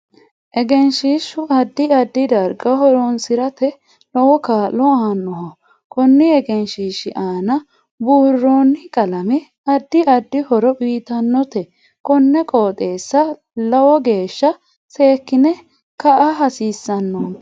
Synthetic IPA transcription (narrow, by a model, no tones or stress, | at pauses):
ʔɛɡɛnʃiːʃʊʔɐd̪ːɪɐd̪ːɪd̪ɐɾɡɐɦɔɾɔnsɪɾɐt̪ɛ | lɔwɔkaːlːɔaːnːɔhɐ | kɔnːɪɛɡɛnʃiːʃɪʔaːnɐ | buːrːoːnːɪkʼɐlɐmɛ | ɐd̪ːɪɐd̪ːɪhɔɾɔbiːt̪ɐnːɔt̪ɛ | kɔnːɛkʼoːt̪ʼe̞ːsːɐ | lɐwɔɡe̞ːʃːɐ | se̞ːkːɪnɛ | kɐʔɐɦɐsiːsːɐnːɔ